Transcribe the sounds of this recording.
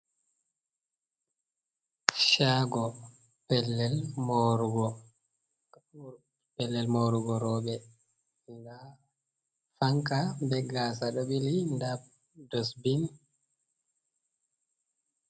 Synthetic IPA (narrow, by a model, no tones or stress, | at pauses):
ʃaɡɔ | pɛlːɛlmoɾuɡɔ | pɛlːɛlmowɾuɡɔɾɔːɓɛ | nda | faŋkabɛɡasaɗɔɓilindab̚ | dɔsbin